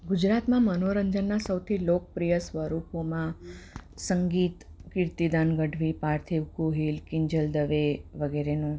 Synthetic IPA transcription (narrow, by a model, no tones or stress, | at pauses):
ɡud͡ʒɾat̪mãmənoɾəɲd͡ʒənːasəwt̪ʰilok̚pɾijəsʋəɾupomã | səŋɡit̪kiɾt̪id̪anɡəɖʱʋipaɾt̪ʰiʋkuɦilkɪɲd͡ʒəld̪əʋeʋəɡeɾenũ